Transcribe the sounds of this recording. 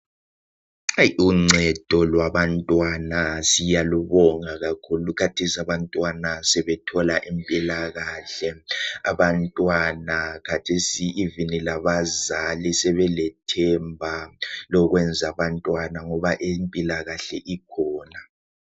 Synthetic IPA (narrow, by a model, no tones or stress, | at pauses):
juŋ͡ǀʱɛd̥ʱɔlwaβantʼwanasijaluβɔŋaɣakʰulukʰatʰesiaβantʼwanasɛβɛtʰɔlaʔimpʼilaɣaːɬɛaβantʼwanakʰatʰesiːvinilaβazalisɛβɛlɛtʰɛmbʱalɔɣwɛnd͡zʱaβantʼwanaŋɔβaʔempʼilaɣaɬɛ̰ʔikʰɔːna